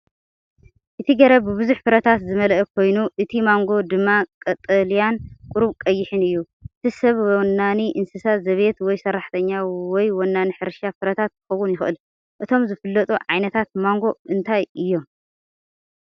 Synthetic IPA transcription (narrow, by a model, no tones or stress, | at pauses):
ʔɨt̪ʰiɡɐɾɐbɨβɨzuħfɨɾɐt̪ʰat̪zɨmɐlʔɐkʰo̞jnuʔɨt̪ʰimaŋɡo̞d̪ɨmːakʼɐt̪ʼɐlijankʼʊɾuβkʼɐjːɪħɨnɨjːu | ʔɨt̪ʰisɐβwɔnːaniʔɨnsɨsazɐβe̞t̪wɔjsɐrːaħt̪ʰɐɲːawɔjwɔnːaniħɨɾʃafɨɾɐt̪ʰat̪̚kʰɨxɐwunjɪxʔɨl | ʔɨt̪ʰo̞mzɨfɨlːɐt̪ʼuʕajnɐt̪ʰat̪̚maŋɡo̞ɨnt̪ʰajɨjːo̞m